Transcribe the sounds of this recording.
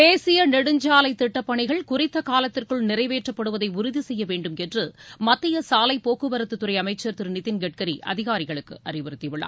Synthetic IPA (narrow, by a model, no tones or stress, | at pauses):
eːsɪjɐnɛɽɯɲd͡ʒaːlɐɪt̪ːɪʈːɐpːɐɳɪɣɐɭkʊrɪt̪ːɐkaːlɐt̪ːɪrkɯɭnɪɾɐɪʋeːʈrɐpːɐɽɯʋɐðɐɪʊɾʊðisɛjːɐʋeːɳɖɯmɛndrɯmɐt̪ːɪjɐsaːlɐɪpːoːkɯbɐɾɐt̪ːɯt̪ːɯɾɐɪɐmɐɪt͡ʃːɐɾt̪ɯɾɯnɪt̪ːɪnɡɛʈ̚kɐɾiʔɐ̰ðɪɣaːɾɪɣɐɭɯkːɯ̰ʔɐrɪʋɐɾɯt̪ːɪʋɪɭːa̰ː